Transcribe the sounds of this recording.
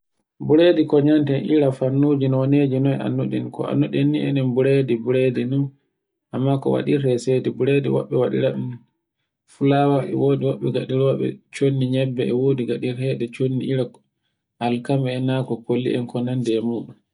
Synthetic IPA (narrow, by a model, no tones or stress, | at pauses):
buɾedikɔɲantɛnʔiɾafanːuːd͡ʒinɔneːd͡ʒinɔja̰nːuɗɛ̰nkɔ̰a̰nːuɗɛnːiʔɛ̰nɛnbuɾedibuɾedinun | ʔamːakɔ̰wa̰ɗiɾhɛsedɛbuɾediwɔ̰ɓːɛwaɗḭɾaɗɛn | fulawaɛ̰woːdiwɔɓːɛɡa̰ɗiɾwaɓɛ̰t͡ʃonːiɲɛbːɛɛwoːdiɡaɗiɾhɛdɛt͡ʃonːiiɾa | halkamɛːnakɔkolːḭʔɛnkɔnandɛːmuːɗum